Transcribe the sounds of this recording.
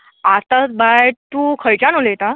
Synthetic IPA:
at̪at̪bajt̪ukʰəjt͡ɕanolejt̪a

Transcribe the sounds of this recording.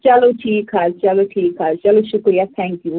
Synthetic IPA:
t͡ʃalotʰikʰazt͡ʃalotʰikʰazt͡ʃaloʃukɔjat̪ʰɛ̃ŋkju

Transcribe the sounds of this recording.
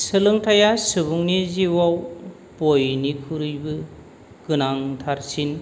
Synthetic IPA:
sɯlɯŋtʰajasɯbuŋniziwaw | pojnikʰuɾɯjbɯ | ɡ̥ɯnaŋtʰaɾsin

